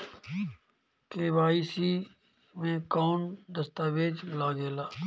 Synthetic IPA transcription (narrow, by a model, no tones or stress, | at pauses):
keːʋaːisi | mẽkɔːnd̪əst̪aːʋeːd͡ʒlaːɡeːlaː